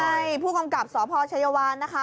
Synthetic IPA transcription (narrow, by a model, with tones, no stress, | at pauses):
a˥˩jpʰuː˥˩ka˧mka˨˩p̚sɔː˩˦pʰɔː˧t͡ɕʰa˧ja˧waː˧nːa˦˥kʰa˦˥